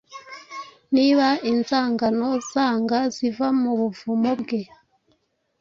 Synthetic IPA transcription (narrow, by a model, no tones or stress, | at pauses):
niβainzaːŋɡanɔzaːŋɡazivamuβuvumobɡe